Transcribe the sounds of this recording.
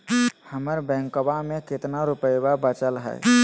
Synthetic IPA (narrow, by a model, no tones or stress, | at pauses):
həməɾbɛ̃ŋkobameket̪naɾupəjbabət͡ʃəlɦə̰j